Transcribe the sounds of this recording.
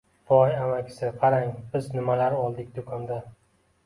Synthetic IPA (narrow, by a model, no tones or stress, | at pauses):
vɒjamakʲʰɪ̥sɪqʰɑɾaŋbɪznɪmalaɾɒlˠd̪ɪkʲd̪ʊkʰɒnd̪a